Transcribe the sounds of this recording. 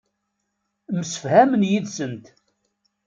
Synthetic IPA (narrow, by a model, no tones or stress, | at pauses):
məsəfhæmənjiðsənt̪